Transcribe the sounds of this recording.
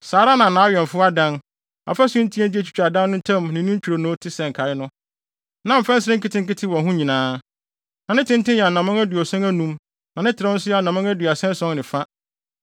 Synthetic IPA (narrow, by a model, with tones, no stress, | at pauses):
saː˨˦ɾa˦nã˨nã˨a˦ɥɛ˨n˨fʊ˦a˦dã˦n | a̰˨fa˦sʊ̃˦n̩˦tʰĩ˦ɛ̃˦di˦æ˦˨t͡ɕʰᶣi̥˨t͡ɕᶣa˨dã˦nːʊ̃˦tʰã˦mnɪ̃˨nĩ˦t͡ɕʰᶣu˨ɾo˨nʊ̃˦tʰɪ˦sɛ̃˨ŋ̩˨kʰa˨ɪ˦nʊ̃˦ | nã˨m̩˨fɛ̃˦n̩˦sɪ˦ɾɪ̃˦ŋ˦kɪ˦tʰɪ̃˦ŋ̩˦kɪ˦tʰɪ̃˦wɔ̃˨ɦũ˦ɲĩ˨nãː˨˦ | nã˨nɪ̃˦tʰɪ̃˦n̩˦tɪ̃˦jɛ˨nã˨mã˦ŋæ˦du˨ɔ˨sɛ̃˦ŋæ˦nũ˦m | nã˨nɪ̃˦tʰɪ˨ɾɪ̃˦n̩˦sʊ˦ja˨nã˨mã˦ŋæ˦dɥa˨sɛ̃˦n˦sɔ̃˦nnɪ̃˨fa˦